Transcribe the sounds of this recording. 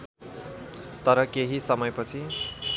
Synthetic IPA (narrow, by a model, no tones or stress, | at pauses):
t̪ʌɾʌkeɦisʌmʌjpʌt͡sʰi